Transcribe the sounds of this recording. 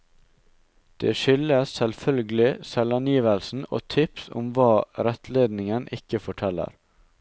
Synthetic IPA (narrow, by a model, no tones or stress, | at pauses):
d̪̥ḛːʃʏləssɛlfœlɡəlɪsɛlɑnjiːʋəlsn̩o̰ːt̪ʰɪpsʊ̰mʋɑːɾɛt̪leːd̪nɪŋənʔɪkəfɔʈʰɛlːə̰ɾ